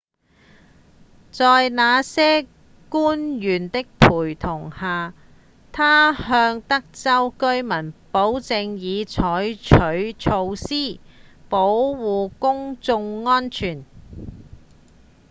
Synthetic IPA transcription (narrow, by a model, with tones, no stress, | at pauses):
t͡sɔː˨jnaː˨˧sɛː˥ | kuː˥njyː˨˩nt̪ɪ˥k̚pʰuː˨˩jt̪ʰʊ˨˩ŋhaː˨ | t̪ʰaː˥ɦœː˧ŋt̪ɐ˥k̚t͡sɐ˥wkɵ˥ɥmɐ˨˩npo˨˥wt͡sɪ˧ŋjiː˨˧t͡ʃʰɔː˨˥jt͡ʃʰɵ˨˥ɥt͡ʃʰo˧wsiː˥po˨˥wwuː˨˩kʊ˥ŋt͡sʊ˧ŋːɔː˥nt͡ʃʰyː˨˩n